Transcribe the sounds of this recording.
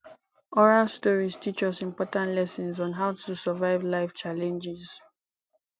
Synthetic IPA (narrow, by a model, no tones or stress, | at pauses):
ɔɹalstɔɹiztʰit͡ʃɔsĩmpɔtãntlɛsɔ̃nzɔ̃nɦaʊtʰusəvaɪvlaɪft͡ʃalɛ̃nd͡ʒɪz̥